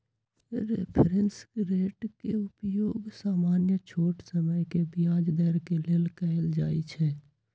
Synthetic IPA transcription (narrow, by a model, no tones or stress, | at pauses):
ɾepʰɾensɾeːʈkeʊpjoːɡsaːmaːnjət͡ʃʰoːʈsəməjkebɪjaːd͡ʒd̪əɾkeleːlkəld͡ʒaːit͡ʃʰɛː